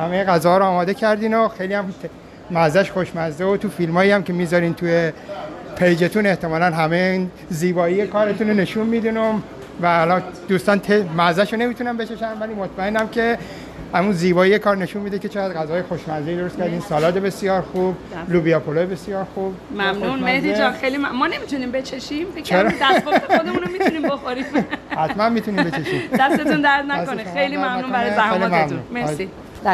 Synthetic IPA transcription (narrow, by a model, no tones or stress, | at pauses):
hæme̞jeɣæzɒːhɒːɾoːmɒːd̪e̞cʰæɾd̪iːnoxe̞jlijæmʰ | mæzæʃxoʃmæzd̪eot̪ʰufilmɒːjiæmke̞miːzɒːɾiːnt̪ʰujepʰejd͡ʒe̞t̪ʰune̞ht̪ʰe̞mɒːlænɦæmein | ziːbɒːijekʰɒːɾe̞t̪ʰunone̞ʃunmiːd̪ino | væːlɒːnd̪̥uːst̪ɒːnt̪ʰemæzæʃone̞mit̪unæmbe̞t͡ʃeʃænvæliːmot̪ʰmæenːæmcʰe̞ | æmunziːbɒːjijekʰɒːɾne̞ʃunmid̪eket͡ʃʰeɣæd̪ɢæzɒːjexoʃmænzijd̪oɾost̪kʰæɾd̪iːnsɒːlɒːt̪ebe̞sijɒːɾxub | lubiɒːpʰolojebe̞sijɒːɾxub̥mæmnunmehd̪id͡ʒɒnxejlimæmɒnemit̪ʰunimbe̞t͡ʃʰeʃimfekt͡ʃʰæeɾmd̪æod̪emunomiuniːmboxoɾimhæt̪mænmiːt̪ʰunibet͡ʃʰeʃiːmd̪æst̪eund̪æɾt̪næskonixejlimæmnuːnæɾæejlimæmuunmei